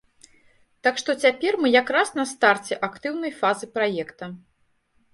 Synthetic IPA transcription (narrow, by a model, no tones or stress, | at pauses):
t̪akʂt̪ɔt͡sʲapʲɛrmɨjakɾasnɐst̪art͡sʲɛʔakt̪ɨwnɐjfazɨpɾajɛkt̪ɐ